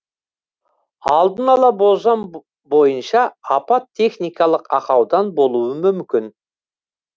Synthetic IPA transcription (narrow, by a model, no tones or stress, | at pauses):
ɑlˠd̪ənɑlˠɑbozɑn | bo̞jənʃɑːpɑt̪ʰːe̞χnijkɑlˠəqɑqɑwd̪ɑnbo̞lˠuwəmʏmkʲɪn